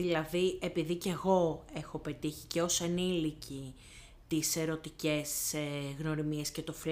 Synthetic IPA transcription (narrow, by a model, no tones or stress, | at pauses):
ilɐðie̞piðice̞ɣo̞e̞xo̞pe̞t̪içiceose̞nilici | t̪ise̞ɾo̞t̪ice̞seɣno̞ɾimie̞sce̞t̪o̞fl